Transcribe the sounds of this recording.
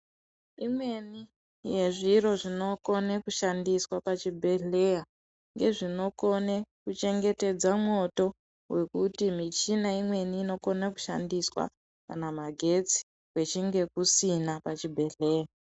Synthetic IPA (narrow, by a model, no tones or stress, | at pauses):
imwe̞ni | je̞ʐiro̞ʐino̞ko̞nekuʃandiswapat͡ʃibʱe̞ɬe̞ːja | ŋɡe̞ʐino̞ko̞nekut͡ʃe̞ŋɡe̞te̞d͡zamwo̞to̞ | we̞kutimit͡ʃinaimwe̞niːno̞ko̞naku̥ʃa̰ndiswa̰ | kanamaɡʱe̞t͡si̥ | we̞t͡ʃiŋɡe̞kusinapat͡ʃibʱe̞ɮe̞ːja